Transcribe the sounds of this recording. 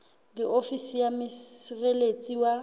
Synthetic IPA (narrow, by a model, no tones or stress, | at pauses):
diʔofisijamɪsrelet͡sʼiwa